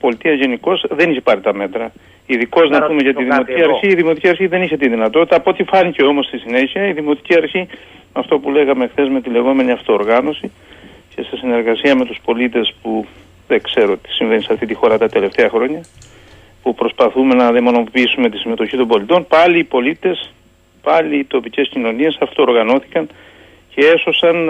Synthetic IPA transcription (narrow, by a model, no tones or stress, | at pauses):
po̞lit̪iɐʝe̞niko̞zðe̞niçepɐɾit̪ɐme̞t̪ɾɐ | iðiko̞znɐpumeʝɐt̪iðiimo̞t̪iciɐɾçiːðimot̪iciɐɾçiðe̞niçe̞t̪iðinɐt̪o̞t̪i̥t̪ɐːpoot̪ifɐnice̞omo̞st̪isine̞çiɐiðimo̞t̪i̥ciɐɾçi | mɐft̪o̞pule̞ɣɐmexθe̞zme̞t̪ile̞ɣo̞me̞niɐft̪o̞ːɾɣɐno̞si | ce̞sesine̞ɾɣɐsiɐme̞t̪uspo̞lit̪e̞spu | ðe̞kse̞ɾo̞t̪i̥siɱve̞nisɐft̪it̪ixo̞ɾɐt̪ɐt̪e̞le̞ft̪e̞ɐxɾo̞ɲɐ | pupɾo̞spɐθume̞nɐðemo̞no̞piisume̞t̪isime̞t̪o̞çit̪o̞mbo̞lit̪o̞npɐliːpo̞lit̪e̞s | pɐliːt̪o̞pice̞scino̞nie̞sɐft̪oːɾɣɐno̞θi̥kɐn | ce̞e̞so̞sɐn